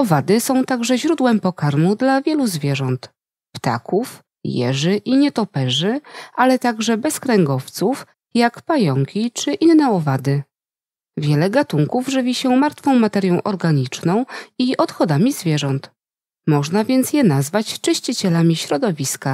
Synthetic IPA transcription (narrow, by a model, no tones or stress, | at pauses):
ɔvad̪ɘsɔ̃w̃t̪aɡʐɛʑɾud̪wɛmpɔkaɾmud̪lavʲjɛluzvʲjɛʐɔnt̪ | pt̪a̰kuf | jɛ̰ʐɘʔiɲɛt̪ɔpɛʐɘʔalɛt̪aɡʐɛbɛskɾɛŋɡɔft̪suf | jakpajɔŋkʲit͡ʂɘʔinːɛɔvad̪ɘ | vʲjɛlɛɡat̪uŋkuvʐɘvʲiɕɛmaɾt̪fɔ̃w̃mat̪ɛɾʲjɔ̃w̃ʔɔɾɡaɲit͡ʂnɔ̃w̃iʔɔt̪xɔd̪amʲizvʲjɛʐɔnt̪ | mɔʐnavʲjɛnt̪sjɛnazvat͡ɕt͡ʂɘɕt͡ɕit͡ɕɛlamʲiɕɾɔd̪ɔvʲiska